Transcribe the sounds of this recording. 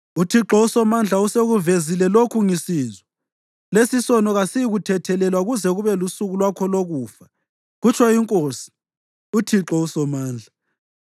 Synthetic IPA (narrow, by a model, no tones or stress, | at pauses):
utʰiǁɔusɔmand͡ɮʱauseɣuvezilɛlokʰuŋisiːzwɛ | lesisɔnɔɣasiiɣutʰɛtʰɛlɛlwaɣuzɛɣuβɛlusuɣulwakʰɔloɣuːfa | ɣut͡ʃʰwaiŋkʼosi̥ | utʰiǁɔusɔmaːnd͡ɮʱa